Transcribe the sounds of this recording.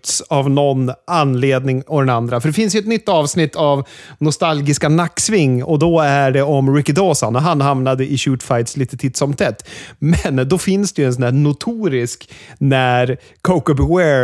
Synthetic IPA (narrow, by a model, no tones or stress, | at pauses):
t̪savnɔnanleːd̪nɪŋɔd̪ɛnand̪ɾafœɖɛfɪns̬jɵɛt̪nʏt̪ːɑːvsnɪt̪ʰːav | nʊst̪alɡɪskanakːsvɪŋːɔd̪ɔæɖɛɔmɾɪkːɪd̪oːsanɔɦanɦamnad̪əʔɪɕʉːt̪fajt̪sliːt̪ət̪ʰiːt̪sɔmt̪ʰɛt̪ːmɛnd̪ɔfɪnsd̪ɛjɛnsɔnæːɳʊt̪ʰuːɾɪsknæɾ | kʰoʊkəbwɛ